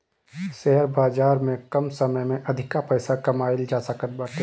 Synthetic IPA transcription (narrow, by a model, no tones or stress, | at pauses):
ʃɛɦəɾbaːd͡ʒaːɾmẽkɐmsəməjmẽʔɐd̪ʱɪkapɛːsakɐmaːɪld͡ʒaːsakəɾbaːt̪